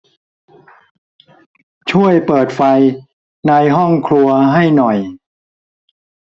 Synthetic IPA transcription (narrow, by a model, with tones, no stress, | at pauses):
t͡ɕʰu˥˩əjpɤː˨˩t̪̚fa˧j | naː˧jɦɔ˥˩ŋkʰlu˧ɐɦa˥˩jnɔ˨˩j